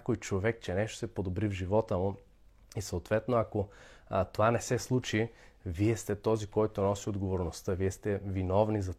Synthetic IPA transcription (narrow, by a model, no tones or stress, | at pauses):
kojt͡ʃovɛk̚t͡ʃɛnɛʃt̪o̥sɛpod̪obɾivʒivɔt̪əmʊ | isɐot̪vɛt̪noakot̪ovanɛsɛslˠut͡ʃi | viɛst̪ɛt̪ɔzikɔjt̪onɔsiod̪ɡovoɾnost̪əviɛst̪ɛvinɔvnizɐ